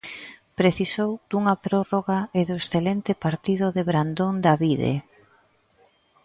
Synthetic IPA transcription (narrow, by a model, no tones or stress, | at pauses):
pɾeθisowd̪uŋɐpɾɔroɣaeðoesθelent̪ɪpaɾt̪iðʊðeβɾand̪ond̪aβiðḛ